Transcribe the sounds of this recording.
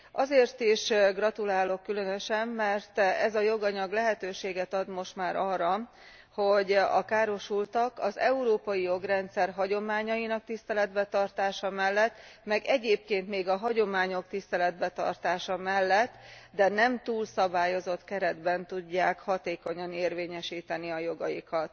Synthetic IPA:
ʔɒzeːrt̪iʃɡrɒt̪ulaːlo̞kːylø̞nøʃɛmːɛrt̪ɛzɒjo̞ɡɒɲɒɡlɛɦɛt̪øːʃeːɡɛt̪ɒd̪mo̞ʃt̪maːɾɒrːɒ | ho̞ɟɒ̰kaːɾo̞ʃult̪ɒkɒzɛuɾoːpɒjijo̞ɡrɛnt̪sɛrɦɒɟo̞maːɲɒjinɒk̚t̪ist̪ɛlɛd̪bɛt̪ɒrt̪aːʃɒmɛlːɛt̪ːmɛɡɛɟeːp̚keːnt̪meːɡɒɦɒɟo̞maːɲo̞kt̪ist̪ɛlɛd̪bɛt̪ɒ̰rt̪aːʃɒmɛlːɛt̪ːd̪ɛnɛmt̪uːlsɒbaːjo̞zo̞t̪kɛɾɛd̪bɛnt̪uɟːaːkhɒt̪eːko̞ɲɒneːrveːɲɛʃiːt̪ɛniɒjo̞ɡɒjikɒt̪

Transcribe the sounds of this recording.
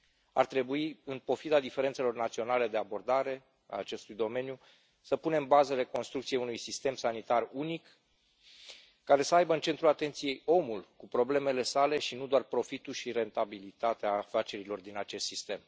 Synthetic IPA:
a̰rt̪ɾe̞buiɨnpo̞fid̪ad̪ife̞ɾent̪se̞lo̞rnat̪sio̞nale̞d̪e̞abo̞rd̪aɾe̞ | a̰ːt͡ʃe̞st̪ujd̪o̞me̞nju | səpuneɨmbazəɾe̞ko̞nst̪ɾukt̪siejunujsist̪e̞msanit̪arunik | aɾe̞səajbəɨnt͡ʃe̞nt̪ɾulat̪e̞nt̪sije̞jo̞mulkupɾo̞ble̞me̞le̞sale̞ʃinud̪oarpɾo̞fit̪ulʃiɾe̞nt̪abilit̪at̪eaːfat͡ʃe̞ɾilo̞rd̪inat͡ʃe̞st̪sist̪e̞m

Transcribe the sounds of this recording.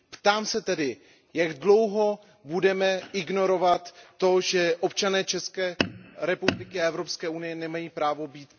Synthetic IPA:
pt̪aːmsɛt̪ɛdɪ | jaɡdlo̞wɦo̞ | budɛmɛʔɪɡno̞ɾo̞vat̪ːo̞ʒɛʔo̞p̚t͡ʃanɛːt͡ʃɛskɛːɾɛpublɪkɪaʔɛvɾopskɛːʔunɪjɛnɛmajiːpɾaːvo̞biːt̪

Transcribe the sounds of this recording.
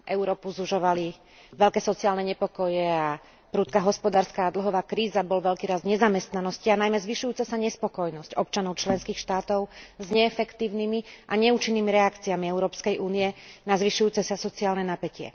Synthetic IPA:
ʔɛʊɾɔːpuzuʒɔʋali | ʋɛʎkɛːsɔt͡siaːlnɛɲɛpɔkɔjɛa | pɾuːt̪̚kaɦɔspɔd̪aːɾskaːd̪l̩ɦɔʋaːkɾiːzabɔlʋɛʎkiːɾazɲɛzamɛst̪nanɔscianajmɛzʋiʃujuːt͡sɛsaɲɛspɔkɔjnɔscɔpt͡ʃanɔʊt͡ʃlɛnskiːxʃt̪aːt̪ɔʊzɲɛːfɛkt̪iːʊnimiʔaɲɛut͡ʃinːiːmiɾɛakt͡siamiɛʊɾɔːpskɛjʔuːnijɛnazʋiʃujuːt͡sɛsasɔt͡siaːlnɛnapɛcɪɛ̰

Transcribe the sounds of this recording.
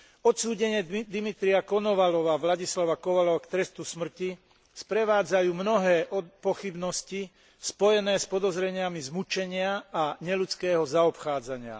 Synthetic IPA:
ɔt̪suːɟɛɲɪɛd̪imit̪ɾiakɔnɔʋalɔʋaːʋlaɟislaʋakɔʋalɔʋaːkt̪ɾɛst̪usmr̩ci | spɾɛʋaːd͡zajuːmnɔɦɛːʔɔpɔxibnɔsci | spɔjɛnɛːspɔd̪ɔzɾɛɲɪamizmut͡ʃɛɲɪaaɲɛlut͡skɛːɦɔzaɔpxaːd͡zaɲɪa̰

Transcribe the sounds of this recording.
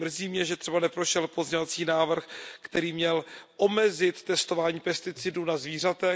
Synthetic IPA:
mr̩ziːmɲɛʒɛt̪ɛbanɛpɾo̞ʃɛlpozɲɛvat͡siːnaːvr̩xkt̪ɛɾiːmɲɛlʔo̞mɛzɪt̪ːɛst̪ovaːɲiːpɛst̪ɪt͡sɪdunazviːr̝at̪ɛ

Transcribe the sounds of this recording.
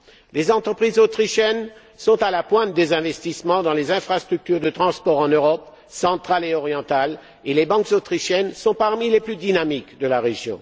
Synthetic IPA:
lezɑ̃t̪χəpχizot̪χiʃjɛn | sɔ̃t̪alapwɛ̃t̪̚d̪ezɛ̃vɛst̪ismɑ̃d̪ɑ̃lezɛ̃fχast̪χyk̚t̪yʁd̪ət̪χɑ̃spɔʁɑ̃nøʁɔp | sɑ̃t̪χaleɔʁjɑ̃t̪al | elebɑ̃kzot̪χiʃjɛnsɔ̃paʁmileplyd̪inamikd̪əlaʁeʒjɔ̰̃

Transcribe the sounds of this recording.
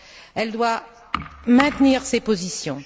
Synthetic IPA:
ɛld̪wa | mɛ̃t̪niʁsepozisjɔ̃

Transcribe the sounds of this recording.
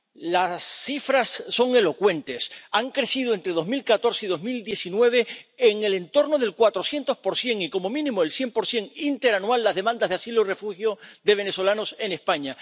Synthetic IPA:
lasːifɾasːo̞ŋe̞lo̞kwe̞nt̪e̞saŋkɾe̞siðoe̞nt̪ɾe̞ð̞o̞zmilkat̪o̞ɾseiðo̞zmild̪je̞sinwe̞β̞e̞ːŋe̞le̞nt̪o̞ɾno̞ðe̞lkwat̪ɾo̞sje̞nt̪o̞spo̞ɾsje̞ŋiko̞mo̞mĩnĩmoelsje̞mpo̞ɾsje̞ŋint̪e̞ɾanwalːazðe̞mãnd̪azðeasiloire̞fuxjo̞ðe̞βe̞ne̞so̞lano̞se̞nespaɲa

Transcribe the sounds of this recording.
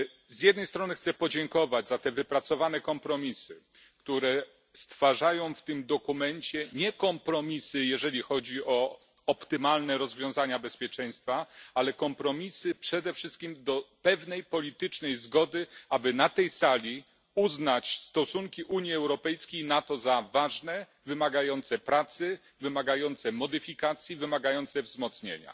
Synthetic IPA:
zjɛd̪̚nɛjst̪ɾɔnɘxt̪sɛpɔd͡ʑɛŋkɔvad͡ʑzat̪ɛvɘpɾat̪sɔvanɛkɔmpɾɔmʲisɘ | kt̪uɾɛ | st̪faʐajɔ̃w̃ft̪ɘmd̪ɔkumɛɲt͡ɕɛɲɛkɔmpɾɔmʲisɘjɛʐɛlʲixɔd͡ʑiɔ | ɔpt̪ɘmalnɛɾɔzvʲjɔ̃w̃zaɲabɛspʲjɛt͡ʂɛj̃st̪faalɛkɔmpɾɔmʲisɘpʂɛd̪ɛfʂɘst̪kʲimd̪ɔpɛvnɛjpɔlʲit̪ɘt͡ʂnɛjzɡɔd̪ɘabɘnat̪ɛjsalʲi | uznat͡ɕst̪ɔsuŋkʲiʔuɲjiɛwɾɔpɛjskʲejnat̪ɔzavaʐnɛ | vɘmaɡajɔnt̪sɛpɾat̪sɘ | vɘmaɡajɔnt̪sɛmɔd̪ɘfʲikat̪sʲjivɘmaɡajɔnt̪sɛvzmɔt̪sɲḛɲa̰

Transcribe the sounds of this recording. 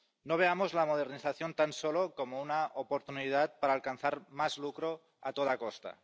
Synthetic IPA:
noβ̞eamozlamoð̞eɾniθaθjont̪ansolokomounaopoɾt̪unið̞at̪̚paɾaːlkanθaɾmazlukɾo | at̪oð̞akost̪a̰

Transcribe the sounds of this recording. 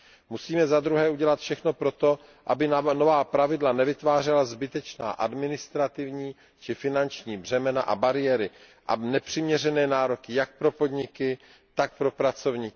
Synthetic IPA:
musiːmɛzad̪ɾuɦɛːuɟɛlat̪fʃɛxno̞pɾo̞t̪o̞ | ʔabɪnovaːpɾavɪdlanɛvɪt̪vaːr̝ɛlazbɪt̪ɛt͡ʃna̰ːʔadmɪnɪst̪ɾat̪ɪvɲiː | t͡ʃɪfɪnant͡ʃɲiːbr̝ɛmɛna̰ʔa̰baɾɪjɛːɾɪ | ʔa̰nɛpr̝̥ɪmɲɛrɛnɛːnaːɾo̞kɪjak̚pɾo̞po̞d̪ɲɪkɪ | t̪ak̚pɾo̞pɾat͡so̞vɲiːk

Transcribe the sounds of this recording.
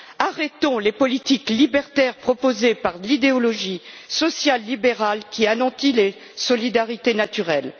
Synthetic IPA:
aʁɛt̪ɔ̃lepɔlit̪iklibɛʁt̪ɛʁpχɔpozepaʁlid̪eɔlɔʒi | sɔsjalːibeʁalkʲianɑ̃t̪ile | sɔlid̪aʁit̪enat̪yʁɛl

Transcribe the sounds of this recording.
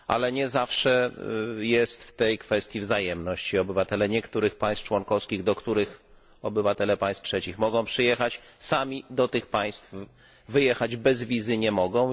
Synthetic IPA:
ʔa̰lɛɲɛzafʂɛjɛst̪ft̪ɛjkfɛst̪ʲjivzajɛmnɔɕt͡ɕiɔbɘvat̪ɛlɛɲɛkt̪uɾɘxpaj̃st̪ft͡ʂwɔnkɔfskʲiɣd̪ɔkt̪uɾɘx | ɔbɘvat̪ɛlɛpaj̃st̪tʂɛt͡ɕixmɔɡɔ̃w̃pʂɘjɛxat͡ɕ | samʲid̪ɔt̪ɘxpaj̃st̪f | vɘjɛxad͡ʑbɛzvʲizɘɲɛmɔɡɔ̃w̃

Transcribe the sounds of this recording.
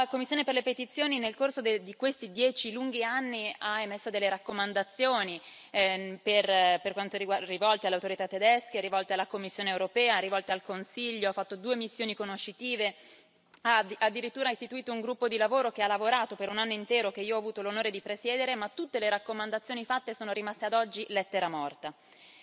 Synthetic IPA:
lakomːisːjoːneperlepet̪it̪sːjoːninelkorsod̪ed̪ikwest̪id̪jɛːt͡ʃiluŋɡianːiaemesːod̪elːeɾakːomand̪at̪sːjoːni | perperkwant̪oɾiɡwarivɔlt̪ealeawt̪oɾit̪at̪ːed̪ɛskeɾivɔlt̪ealːakomːisːjoːneːwɾopɛːaɾivɔlt̪ealkonsiʎːoafːat̪ːod̪uːemisːjoːnikonoʃːit̪iːve | aad̪ːiɾit̪ːuːɾaist̪it̪uiːt̪ouŋɡɾupːod̪ilavoːɾok̟ealːavoɾaːt̪opeɾunanːoint̪ɛːɾok̟eiːoɔaːvuːt̪olonoːɾed̪ipɾesjɛːd̪eɾemat̪ːut̪ːeleɾakːomand̪at̪sːjoːnifat̪ːesoːnoɾimast̪ead̪ɔd͡ʒːilɛt̪ːeɾamɔrt̪a

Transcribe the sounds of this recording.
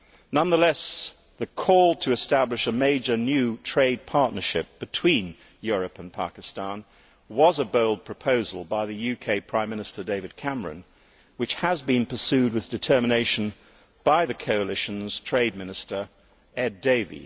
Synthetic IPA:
nʌ̃nðəlɛs | ðɨkʰɔlˠtʰɨɨstæblɨʃəmeɪd͡ʒə˞njʉtʰɹ̥eɪd̚pʰɑɹʔⁿnə˞ʃɪp̚b̥ɨtʰw̥ĩn | jʊɹɨpɨ̃n̩pʰɑ̰kɨstɑ̃n | wʌzəboʊlˠd̚pʰɹ̥ɨpʰoʊzəlˠbaɪðɨjʉkʰeɪpʰɹ̥ãɪ̃mːɪ̃ñɨstə˞deɪvɨd̚kʰæmə˞ɨ̰̃n | wɨt͡ʃhəzbɨ̃npʰə˞sʉd̚wɨðdɨtʰɜ˞mɨneɪʃn̩ | b̥aɪðɨkʰoʊəlɪʃɨ̃n̩z̥tʰɹ̥eɪd̚mɪ̃nɨstə˞ | ɛdeɪvḭ

